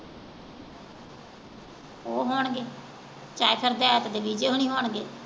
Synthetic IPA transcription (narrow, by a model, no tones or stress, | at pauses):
oːɦoːɳɡeː | t͡ʃaːkʰəɾd̪eːaːt̪ad̪eːʋiːd͡ʒeːɦoːɳ̃iːɦoːɳɡeː